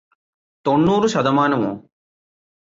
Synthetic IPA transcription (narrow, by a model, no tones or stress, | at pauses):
t̪oɳːuːɾuʃɐd̪ɐmaːnɐmo̰ː